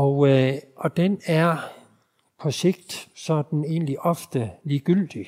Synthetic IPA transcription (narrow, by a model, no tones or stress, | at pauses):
ɒ̽ʊʔɒ̽d̥enæɐ | pʰɒ̽se̝ɡ̥̚d̥sɒ̽d̥n̩e̝̰ːnliʔɒ̽fd̥əliːɡ̥yl̰d̥i